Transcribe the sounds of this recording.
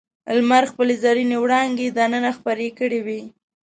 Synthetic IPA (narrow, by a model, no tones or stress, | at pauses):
a̰lmaɾxpəlezɑɾinewɽɑŋɡed̪anənaxpaɾekəɽewi